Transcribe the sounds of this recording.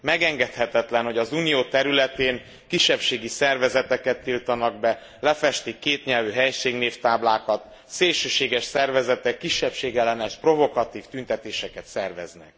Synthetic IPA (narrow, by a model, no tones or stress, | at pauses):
mɛɡɛŋɡɛt̪hɛt̪ɛt̪lɛnho̞ɟɒzuːnijoːt̪ɛɾylɛt̪eːn | kiʃːɛpʃeːɡisɛrvɛzɛt̪ɛkɛt̪ːilt̪ɒnɒɡ̚bɛ | lɛfɛʃt̪ikːeːt̪ɲɛlvyɦɛjʃeːɡneːft̪aːblaːkɒt̪ | seːlʃøːʃeːɡɛʃsɛrvɛzɛt̪ɛkːiʃːɛpʃeːɡɛlːɛnɛʃpro̞vo̞kɒt̪iːft̪ynt̪ɛt̪eːʃɛkɛt̪sɛrvɛ̰znɛ̰k̚